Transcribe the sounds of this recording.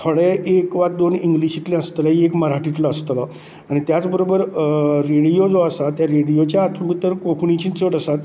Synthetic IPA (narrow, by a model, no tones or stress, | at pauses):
t̪ʰəɭeʔekʋat̪̚d̪oniŋɡliɕit̪lẽəst̪laɦiekməɾɦaʈit̪ləəst̪lɔ | aɽ̃it̪jat͡sbəɾobəɾɾeɽijod͡zoəsat̪jaɾeɽijot͡ɕjaːt̪ʰubit̪əɾkokʰunit͡ɕint͡səʈəsat̪